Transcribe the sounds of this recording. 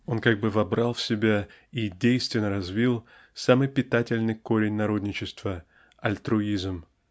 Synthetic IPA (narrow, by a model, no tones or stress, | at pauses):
o̞nkaɡ̚bɨvɐbɾalˠfʲsʲɪbʲa | idʲejst̪vʲɪnːəɾɐzvʲilˠ | samɨjpʲɪt̪atʲɪlʲnɨjko̞ɾʲɪnʲnɐɾo̞d̪ʲnʲɪt͡ɕɪst̪və | ɐlʲt̪ɾʊizm